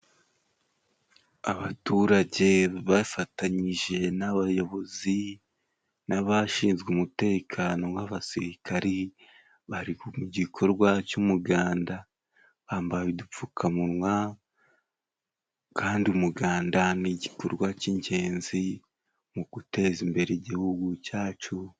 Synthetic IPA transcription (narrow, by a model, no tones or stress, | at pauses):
aβatuɾaɟe̞βafataɲiʒe̞naβajo̞βo̞zi | naβaʃiːnzɡeumute̞ːkʰaːno̞ŋɡaβasiɾikʰaɾi | βaɾikumuɟikʰo̞ɾɡwacumuɡaːnda | βaːmbahaβidup͡fukʰamuɾŋwa | kʰaːndiumuɡaːndaniɟikoɾɡwaciɲɟe̞ːnzi | muɡ̥ute̞zimbe̞ɾeɟihuɡucaːt͡ʃu